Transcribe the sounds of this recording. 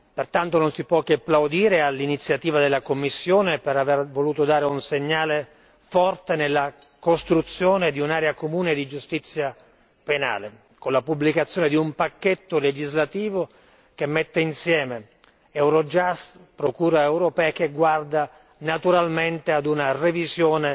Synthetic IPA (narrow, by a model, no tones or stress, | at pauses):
pert̪ant̪ononsipwɔkːeapːlawd̪iːɾealːinit̪sːjat̪iːvad̪elːakomːisːjoːnepeɾavervoluːt̪od̪aːɾeunseɲːaːle | fɔrt̪enelːa | kost̪ɾut̪sːjoːned̪iunaːɾeakomuːned̪id͡ʒust̪it̪sːja | pena̰ːle | konlapubːlikat̪sːjoːned̪iumpakːet̪ːoled͡ʒizlat̪iːvo | kemːet̪ːeinsjɛːme | ɛwɾod͡ʒast̪pɾokuːɾaɛwɾopɛːakeɡward̪a | nat̪uɾalment̪ead̪unarevizjoːne